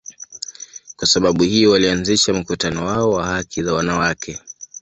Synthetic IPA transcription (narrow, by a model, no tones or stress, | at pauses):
kwasaɓaɓuhiɔwalianziʃam̩kutanɔwaɔwahakʰizawanawakʰɛ